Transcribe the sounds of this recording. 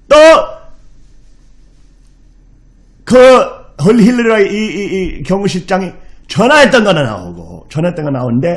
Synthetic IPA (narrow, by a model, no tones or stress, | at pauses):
to | kɯɦɯliɦilːɯɾʌiiːkjʌŋuɕ̬ʰit͡ɕ͈aŋit͡ɕʰʌnaɦet͈ːʌnɡʌnana̰ṵɡo̰t͡ɕʰʌnaɦet͈ːʌnɡʌnaunde̞